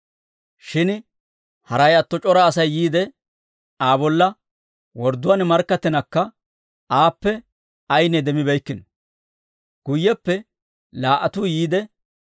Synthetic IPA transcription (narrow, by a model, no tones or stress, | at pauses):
ʃɪn | hɐɾɐjɐt̪ːɔt͡ʃʼɔɾɐːsɐjːiːd̪ɛ | aːbɔlːɐ | wɔɾd̪ʊwaːnmɐɾkːɐt̪ːɛnɐkːɐ | ʔaːpːɛ | ɐjnɛd̪ɛmɪbɛjkːɪn | ɡ̥ʊjːɛpːɛ | laːʔɐt̪uːjiːd̪ɛ